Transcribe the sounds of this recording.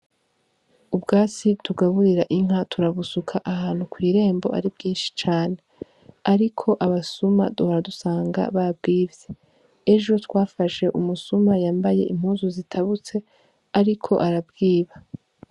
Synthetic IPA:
ubɡaːt͡sitʰuɡaβuɾiɾaʔiŋ̥atʰuɾaβusukʰaʔahaːnhukwiːɾe̞ːmbo̞̰ʔa̰ɾibɡiːnʃi̥t͡ʃaːne̞ | aɾikʰo̞ʔaβasuma̰duhaɾadusaːŋɡa̰βab̚ɡiːvje | e̞ʒo̞twaːfaʃe̞ʔumusumajaːmbaje̞̰ʔimhuːnzuzitʰaβut͡se̞ | aɾikʰo̞̰ʔaɾabɡiːβa

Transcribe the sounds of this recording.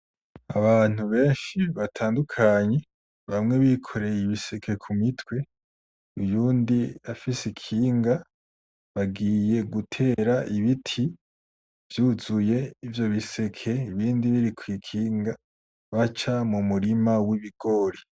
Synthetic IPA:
aβaːn̥uβe̞ːnʃiβatʰaːndukʰaɲe̞ | βamŋe̞βikʰo̞ɾe̞jiβise̞kʰe̞kʰumitwe̞ | ujuːndiafisikʰiːŋɡa | βaɡiːje̞ɡutʰe̞ːɾaʔiβitʰi | vjuzuje̞ivjo̞βise̞kʰe̞iβiːndiβiɾikwikʰiːŋɡa | βat͡ʃamumuɾimawiβiɡ̥o̞ːɾi

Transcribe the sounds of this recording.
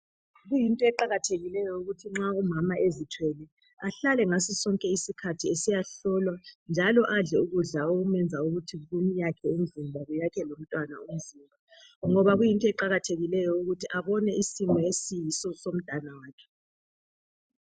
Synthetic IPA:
ɣujintʼɔɛǃaɣatʰeɣilɛjɔuɣutʰiŋ͡ǁaumamaʔezitʰwɛlɛ | aɬalɛŋasisɔŋkʼɛisikʰatʰiesijaɬɔlwand͡ʒʱalɔʔaɮɛuɣuɮaoɣumɛnd͡zʱauɣutʰiɣumijakʰɛind͡zʱimbʱaɣujakʰɛlom̩tʼwana̰um̩zimbʱa | ŋɔβaɣujintʼɔɛǃaɣatʰeɣilɛjɔuɣutʰiʔaβɔnɛisimɔesijisɔsom̩d̥ʱanawaːkʰɛ̥

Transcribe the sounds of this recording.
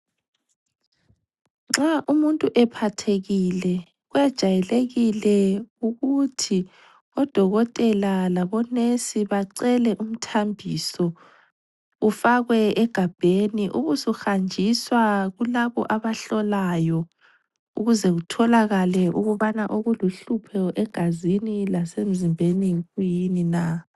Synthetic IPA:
ŋ͡ǁaʔumuntʼuʔɛpʰatʰeɣilɛ | ɣwɛd̥ʒ̥ʱajɛleɣilɛuɣutʰi | ɔd̥ʱɔɣɔtʼɛlalaβɔnesiβaǀɛlɛʔum̩tʰambʱisɔ | ufaɣwɛɛɡ̥ʱab̥ʱeniʔuɣusuxand͡ʒʱiswaɣulaβɔ̰ʔaβaɬɔlajɔ | uɣuzɛɣutʰɔlaɣalɛʔuɣuβanaʔoɣuluɬupʰɛʔɛɡ̥ʱazinilasem̩zimbʱeniɣujinina

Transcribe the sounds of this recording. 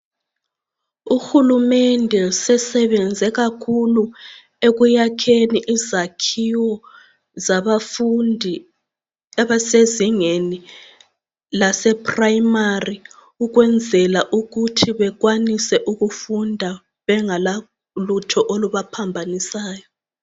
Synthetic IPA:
uxulumɛndʱɛsɛsɛβɛnd͡zʱɛɣakʰulu | eɣujakʰeniʔizakʰiwɔ | zaβafndʱi | aβaseziŋeni | lasɛpʰraimari | uɣwɛnd͡zʱɛlaʔuɣutʰiβɛɣwanisɛʔuɣufundʱa | βɛŋala | lutʰɔʔoluβapʰambʱanisaːjɔ

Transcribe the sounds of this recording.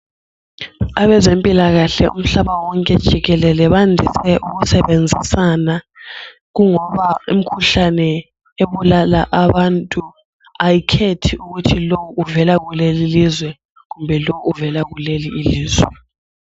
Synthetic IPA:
aβɛzempʼilaɣaɬɛ̰ṵm̩ɬaɓawɔŋkʼɛd̥ʒ̥ʱiɣɛlɛlɛβandʱisɛʔuɣusɛβend͡zʱisana | ɣuŋɔβaum̩kʰuɬanɛ | eβulalaʔaβantʼu | ajikʰetʰiuɣutʰilowuʔːvɛlaɣulelilizwɛ | ɣumbʱɛlowuːvɛlaɣuleliːliːzwɛ

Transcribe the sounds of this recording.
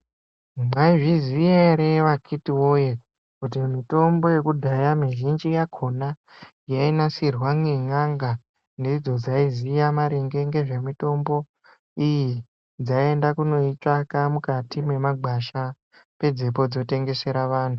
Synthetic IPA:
maiʐizijeɾeʋakʰitiwoje | kut̬imito̞mbo̞je̞kudʱajamiʒind͡ʒijakʰo̞na | jainasirwaŋeŋaŋɡa | ndid͡zo̞d͡zaizijamaɾeŋɡe̞ŋɡe̞ʐe̞mito̞mbo̞ | iji | d͡zaie̞ndakuno̞it͡ʂakamukatime̞maɡ͡bʱaʃa | pe̞d͡zepo̞d͡zo̞te̞ŋɡe̞se̞ɾaʋaːntʰu̥

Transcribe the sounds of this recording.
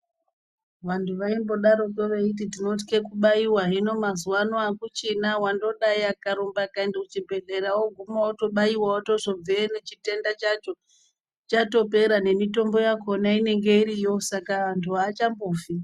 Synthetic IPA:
ʋantʰuʋaimbo̞ɗaɾo̞toʋeit̬itino̞t̬i̥kekuɓaiwaɦino̞mazuwanoakut͡ʃinawando̞ɗaiakaɾombakandeut͡ʃibʱe̞ɮe̞ɾawo̞ɡʱumaoto̞ɓaiwaotoʐob͡veːnet͡ʃite̞ndat͡ʃat͡ʃo | t͡ʃato̞pe̞ɾane̞mito̞mbo̞jakonaine̞ŋɡe̞iɾijo̞sakaantʰuaːt͡ʃamboːfi

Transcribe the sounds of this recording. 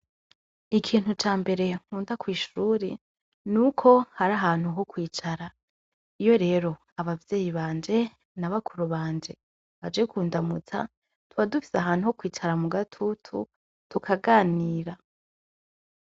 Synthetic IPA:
ikʰiːn̥hut͡ʃaːmbe̞ɾe̞ŋ̥uːndakwiːʃuːɾe | nuːkʰo̞haɾaɦaːn̥huɦo̞kwiːt͡ʃaɾa | ijo̞ɾe̞ːɾo̞ | aβavjeːjiβaːnd͡ʒe̞ | naβakʰuɾuβaːnd͡ʒe̞ | βad͡ʒe̞kʰuːndamut͡sa̰ | tuβadufi̥saɦaːn̥huho̞kwiːt͡ʃaɾamuɡatʰutʰṵ | tukʰaɡaːniːɾa

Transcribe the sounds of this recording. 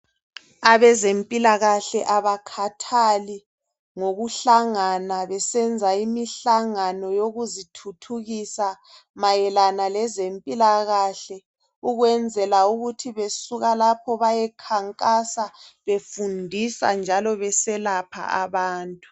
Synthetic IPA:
aβɛzempʼilaɣaɬɛʔaβakʰatʰali | ŋoɣuɬaŋanaβɛsɛnd͡zʱaimiɬaŋanɔjoɣuzitʰutʰuɣisa | majɛlanalɛzempʼilaɣaɬɛ | uɣwɛnd͡zʱɛlauɣutʰiβesuɣalapʰɔβajɛkʰaŋkʼasaβefundʱisa̰nd͡ʒʱalɔβɛsɛlapʰa̰aβaːntʼu

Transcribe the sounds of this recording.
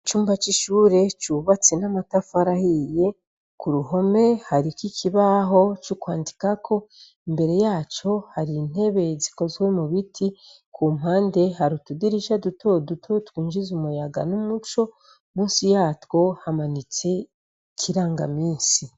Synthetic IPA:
it͡ʃuːmbat͡ʃiʃuːɾe̞t͡ʃuβat͡se̞namatafaɾahije̞ | kuɾuɦo̞me̞haɾikikʰiβaɦo̞t͡ʃukwaːndikakʰo̞ | imbe̞ɾe̞jaːt͡ʃo̞haɾin̥he̞βe̞ziko̞zɡwe̞muβitʰi | kʰuːmhaːnde̞haɾutudiɾiʃadutʰodutʰotwuːnʒizumujaɡa̰numut͡ʃo̞ | muːnsijaːtwo̞hamanit͡se̞ | kʰiɾaːŋɡa̰miːnsi

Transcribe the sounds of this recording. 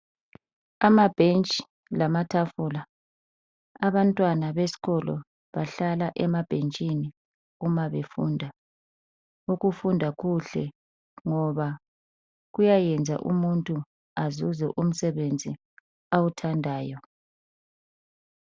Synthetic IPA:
amab̥ʱent͡ʃʼi̥ | lamatʰafula | aβantʼwanaβesi̥ɣɔlɔ̰ | βaɬalaʔɛmab̥ʱent͡ʃʼini | ɣumaβefṵndʱa | uɣufundʱaɣuɬɛ | ŋɔβa | ɣujajɛnd͡zʱa̰ʔumuntʼu | azuzɛ̰ʔum̩sɛβend͡zʱi | awutʰandʱaːjɔ

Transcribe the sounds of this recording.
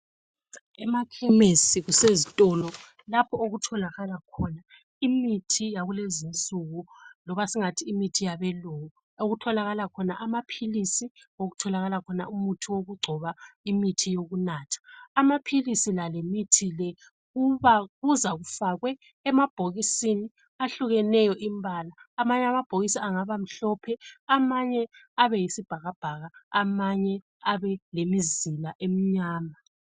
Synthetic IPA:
ɛmakʰɛmesiɣusezitʼɔlɔ | lapʰɔoɣutʰɔlaɣalakʰɔna | imitʰijaɣulezint͡sʼuɣulɔβasiŋatʰiːmitʰijaβɛlowɔ | oɣutʰɔlaɣalakʰɔnaʔamapʰilisioɣutʰɔlaɣalakʰɔna̰umutʰuwoɣuɡ͡ǀʱɔβaimitʰijoɣunaːtʰḁːmapʰilisilalemitʰilɛ | ɣuβaɣuzaɣufaɣwɛː | mab̥ʱoɣisini | aɬuɣɛnɛjɔʔimbʱalaːmaɲɛamab̥ʱoɣisiaŋaβam̩ɬɔpʰɛamaɲɛ | aβɛjisib̥ʱaɣab̥ʱaɣaamaɲɛ | aβɛlemizilaʔem̩ɲaːma

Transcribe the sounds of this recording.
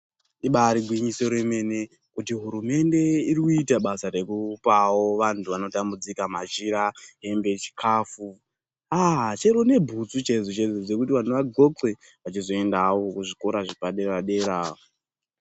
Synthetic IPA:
iɓaɾiɡʱwiɲiso̞ɾe̞me̞ne̞ | kutiɦuɾume̞nde̞irikuitaɓasaɾe̞kupawo̞ʋantʰuʋano̞tambud͡zikamaʒiɾaɦe̞mbe̞t͡ʃi̥kʰaːfu | at͡ʃe̞ɾone̞bʱut͡sut͡ʃezut͡ʃezud͡ze̞kutiʋan̤uʋaɡʱo̞kwe̞ | ʋat͡ʃizo̞e̞ndawokuʐiko̞ɾaʐipaɗeraɗe̞ɾao

